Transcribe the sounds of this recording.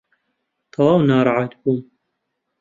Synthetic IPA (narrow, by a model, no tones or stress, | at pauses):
t̪ʰɑwɑːwnaːɾˤɑʕɑt̪buːm